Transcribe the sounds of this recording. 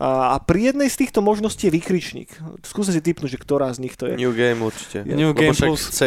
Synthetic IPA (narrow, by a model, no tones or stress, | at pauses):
apɾijɛd̪nɛjst̪iːxt̪ɔmɔʒnɔsciːjɛʋikɾit͡ʃɲḭːkskuːs̬mɛs̬it̪̬ipnuɟʒɛkt̪ɔɾaːzɲixt̪ɔjɛ̰ɲuːɡɛjmuɾt͡ʃi̥cɛɲuɡɛmut͡sɛ